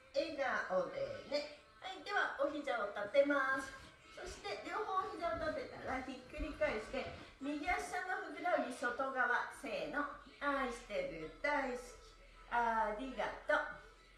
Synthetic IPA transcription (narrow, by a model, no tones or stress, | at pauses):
eɡaʔod̪ene̞ | ait̪e̞βaoçʲid͡ʑãot̪at̪ːe̞masɨ̥ | so̞ɕi̥t̪e̞ɾʲo̞ːɦoːçʲid͡ʑãot̪at̪ːe̞t̪a̰ɾaçikːɯ̟ɾʲikaiɕi̥t̪e̞mʲiɡʲiaɕi̥sãnːoɸɯ̟kɯ̟ɾaɲʲiso̞t̪o̞ɡaβase̞ːno̞ | aɕi̥t̪eɾɯ̟d̪aiskʲi̥ | aɾʲiɡat̪o